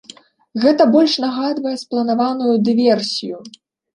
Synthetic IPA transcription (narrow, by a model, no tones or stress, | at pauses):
ɣɛt̪ɐbɔlʲʂnaɣad̪vɐjɛsplˠɐnavanujud̪ɨvʲɛrsʲiju